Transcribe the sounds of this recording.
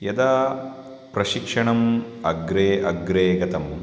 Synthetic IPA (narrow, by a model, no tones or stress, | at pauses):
jɐd̪aː | pɾɐʃikʂɐɳɐmɐɡɾeːʔɐɡɾeːɡɐt̪ɐm